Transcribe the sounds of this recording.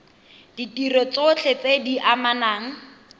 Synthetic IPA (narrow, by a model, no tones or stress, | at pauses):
d̥itirɔt͡sot͡ɬʰet͡sediʔamanaːŋ̩